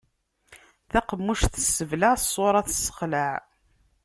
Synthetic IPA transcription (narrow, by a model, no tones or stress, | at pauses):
θæqəmːuʃθə̥sːəvlaʕsˤːoɾˤɑθə̥sːə̥χlaʕ